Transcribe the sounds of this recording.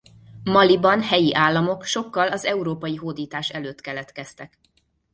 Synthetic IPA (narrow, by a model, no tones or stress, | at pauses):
mɒlibɒnhɛjiʔaːlːɒmo̞kʃo̞kːɒlɒzɛuɾoːpɒjiɦoːd̪iːt̪aːʃɛløːt̪kɛlɛt̪kɛst̪ɛk